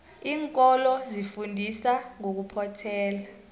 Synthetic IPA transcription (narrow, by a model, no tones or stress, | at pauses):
iːŋkʼɔlɔzifundʱisaŋok̬upʰɔtʰɛːla